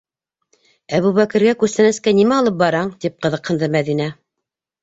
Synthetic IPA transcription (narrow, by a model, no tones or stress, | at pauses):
æβuβækɘ̆ɾɡækʉsɘ̆nɘskænimæɑlˠɤp̚bɑɾɑɴt̪ip̚qɤ̆ðɤ̆qhɤ̆nd̪ɤmæðinæ